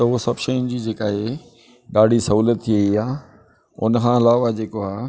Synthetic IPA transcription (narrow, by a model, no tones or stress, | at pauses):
t̪ɐʊɦsɐbʃɐjʊnɪ̆d͡ʑiːd͡ʑeːkaːɦe | ɗaːɖʱisɐɦuːlət̪ʰːieiaː | ʊ̰nəkʰãːɐlaːʋad͡ʑeːkoaː